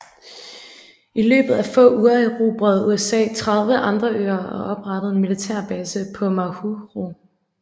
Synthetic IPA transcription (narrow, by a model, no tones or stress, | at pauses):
ilø̰ːb̥ð̩ˠæfɔ̰̽ːuːɐeʁo̝̰b̥ʁœð̩ˠuesɛ̰ːt͡sʰʁɑ̈ðˠʋəʔɑ̈nd̥ʁɐø̰ːɐɒ̽ʔɒ̽b̥ʁɑ̈d̥əð̞̩ˠe̝nmilit͡sʰɛɐ̰b̥ɛːsəpʰɒ̽mɑhuʁo̝